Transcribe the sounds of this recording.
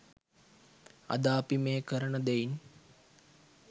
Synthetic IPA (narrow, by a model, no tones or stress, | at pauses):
a̰d̪aːpimeːkəɾənəd̪ɛin